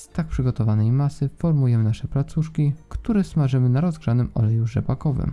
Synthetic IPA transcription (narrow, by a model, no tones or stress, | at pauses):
st̪ak̚pʂɘɡɔt̪ɔvanɛjmasɘfɔɾmujɛmɘnaʂɛplat̪suʂkʲikt̪uɾɛsmaʐɘmɘnaɾɔzɡʐanɘmɔ̰lɛjuʐɛbakɔvɘ̰m